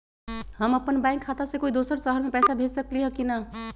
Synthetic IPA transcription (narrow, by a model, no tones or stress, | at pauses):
həmɐpənbãːŋkʰːaːt̪asekoːid̪oːsəɾsəɦəɾmẽpɛːsabʱeːd͡ʒsəkliɦɛkina